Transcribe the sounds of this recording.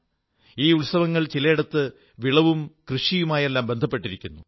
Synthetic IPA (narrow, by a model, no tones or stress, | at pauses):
iːuɭsɐʋɐŋːɐɭt͡ɕilɐiɽɐt̪ːɨ | ʋiɭɐʋumkrɨʂijumaːje̞lːaːmbe̞nd̪ʱɐpːe̞ʈːiɾikʲːunːu